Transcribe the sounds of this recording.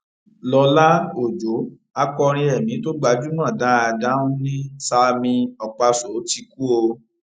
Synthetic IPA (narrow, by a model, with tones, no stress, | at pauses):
lɔ˧la˦o˦˨d͡ʒo˨˦ | a˧kɔ˧ɾ̃ĩ˧ɛ˨mĩ˨˦to˦ɡ͡ba˧d͡ʒu˦nã˦˨da˨˦a˧da˦ũ˦nĩ˦sa˧mĩ˧ɔ˨k͡pa˧so˨˦ti˧ku˦o˧